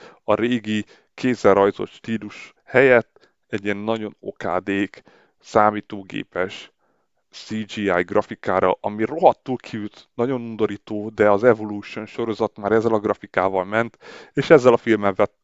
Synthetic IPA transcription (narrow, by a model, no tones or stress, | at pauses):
ɒɾeːɡi | kʰeːzɛlrɒjzo̞̰t̪ʃt̪iːluʃ | hɛjɛt̪ː | ɛɟːiɛnːɒɟo̞no̰ka̰ːd̪eːk | saːmiːt̪oːɡḛːpɛʃ | siːd͡ʒiːajɡrɒfikaːɾɒ̰ʔɒmiro̞ɦɒt̪ːuːlkʰiyt̪nɒɟo̞nund̪o̞ɾiːt̪oːd̪ɛɒzɛvoluːʃonʃo̞ɾo̞zɒt̪maːɾɛzːɛlɒɡrɒfikaːvɒlmɛnt̪eːʃɛzːɛlɒfilmɛɱvɛ